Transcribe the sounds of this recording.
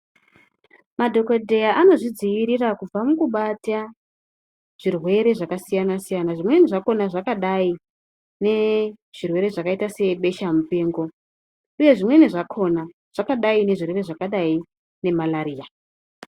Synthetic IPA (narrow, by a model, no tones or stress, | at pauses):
madʱo̞kodʱe̞jaʔano̞ʐid͡zijiɾirakub͡vamukuɓata | ʐ̥irwe̞ɾe̞ʐakasijanasijanaʐimwe̞niʐako̞naʐakaɗai | ne̞ʐ̥irwe̞ɾe̞ʐakaitase̞ɓe̞ʃamupe̞ːŋɡo̞ | uje̞ʐimwe̞niʐakʰo̞na | ʐ̥akaɗaine̞ʐirwe̞re̞ʐakaɗai | ne̞malaɾiːja